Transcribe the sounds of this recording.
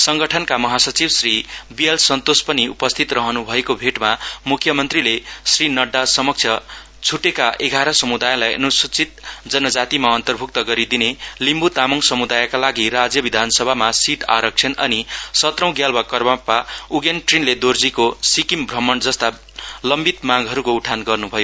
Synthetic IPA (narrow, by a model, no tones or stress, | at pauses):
sʌŋɡʌʈʰʌnkamʌɦasʌt͡sibsribijalsʌnt̪ospʌniṵpʌst̪ʰit̪rʌɦʌnubʱʌekobʱeʈmamukʰjʌmʌnt̪rilesrinʌɖːasʌmʌk̚t͡sʰjʌ | t͡sʰuʈekaʔeɡʱaɾʌsʌmud̪ajlajʌ̰nusut͡sit̪̚d͡zʌnʌd͡zat̪imaʌnt̪ʌrbʱuk̚t̪ʌɡʌɾid̪inelimbut̪amʌŋsʌmud̪ajkalaɡirad͡zjʌbid̪ʱansʌbʱamasiʈa̰ɾʌk̚t͡sʰʌnʌ̰nisʌt̪rʌ̃w̃ɡjalbwakʌrbapauɡenʈrinled̪ord͡zikosikimbʱrʌmʌnd͡zʌst̪a | lʌmbit̪maɡɦʌɾukouʈʰanɡʌrnubʱʌjo